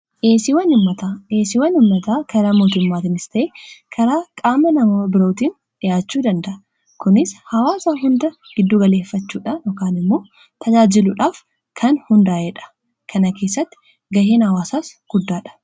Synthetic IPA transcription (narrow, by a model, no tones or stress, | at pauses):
ʔeːsɪwɐnɪmːɐt̪aeːsɪwɐnɪmːɐt̪aːkɐɾaːmoːt̪ʊmːaːt̪ɪnɪst̪ɐʔeːkʰɐɾaːkʼaːmɐnɐmoːbɪɾoːt̪iːn | ᶑɪjaːt͡ʃːuːd̪ɐnd̪ɐʔɐ | kʊnɪshɐwaːsaːɦʊnd̪ɐɡ̥ɪd̪ːuːɡɐle̞ːfːɐt͡ʃːuːᶑanoːkaːnɪmːo̞ː | t̪ʰɐd͡ʒaːd͡ʒɪluːᶑaːf | kʰɐnhʊnd̪aːʔeːᶑɐ̥ | kʰɐnɐke̞ːsːɐt̪ːɪ̥ | ɡɐɦeːnhɐwaːsaːsɡ̥ʊd̪ːaːᶑɐ̥